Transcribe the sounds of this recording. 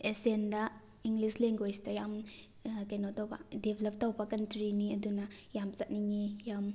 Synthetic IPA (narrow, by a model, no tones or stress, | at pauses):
esendɐ | iŋɡlisleŋɡestɐjam | kenotɐwbɐ̰debʱelɐp̚tawbɐkɐntɾiniɐdunɐjamt͡ʃɐt̚niŋejam